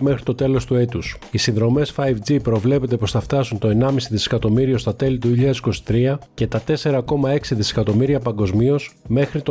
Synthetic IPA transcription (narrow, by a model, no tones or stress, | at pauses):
mexɾit̪o̞t̪e̞lo̞st̪ue̞t̪us | isinðɾo̞me̞sfɐjvd͡zipɾo̞vle̞pe̞t̪̬e̞po̞sθɐft̪ɐsunt̪o̞e̞nɐmisiðise̥kɐt̪o̞miɾio̞st̪ɐt̪e̞lit̪̬uçiʎɐðsiko̞si̥t̪ɾiɐce̞t̪ɐt̪e̞se̞ɾɐko̞mɐe̞ksiðise̥kɐt̪o̞miɾiɐpɐŋɡo̞zmio̞sme̞xɾit̪o